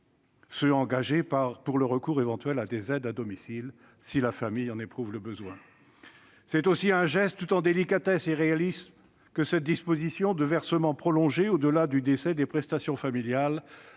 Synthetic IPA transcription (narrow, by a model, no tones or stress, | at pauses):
səɑ̃ɡaʒepaʁpuʁləʁəkuʁevɑ̃t̪ɥɛlad̪ezɛd̪ad̪ɔmisil | silafamijɑ̃nepχuvləbəzwɛ̃ | sɛt̪osiɛ̃ʒɛst̪ːut̪ɑ̃d̪elikat̪ɛseʁealis | kəsɛt̪̚d̪ispozisjɔ̃d̪əvɛʁsəmɑ̃pχɔlɔ̃ʒeod̪əlad̪yd̪esɛd̪epχɛst̪asjɔ̃familjal